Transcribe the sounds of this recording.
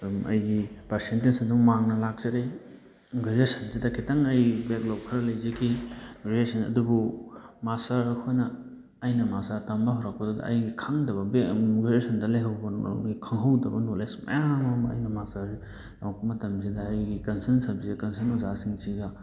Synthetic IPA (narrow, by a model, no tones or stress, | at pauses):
ɐ̰jɡipaɾsentesɐduŋmaŋnɐlak̚t͡ʃɐɾej | ɡezesɐnsidɐkʰitaŋɐjbeɡlop̚kʰɐɾɐlɐjzekʰiɾiesɐnɐ̰dubumasaɾkʰojnɐː | jnɐmasatɐmbaɦɔɾak̚pɐdodɐ̰ʔɐjɡikʰaŋdɐbɐbɡezesɐndɐlejɦawbɐ̰ikʰaŋɦɐwdɐbɐnolesmɐ̰jaŋamɐ̰jnɐmasa | nawkpɐmɐtɐmzidɐːjɡikɐnsɐnsɐbzikɐnsɐnuzasiŋt͡ʃiɡɐ